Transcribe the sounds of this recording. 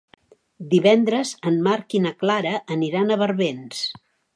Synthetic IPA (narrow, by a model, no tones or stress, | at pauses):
d̪iβɛnd̪ɾəzənmaɾkinəklaɾəʔːniɾanəβəɾβens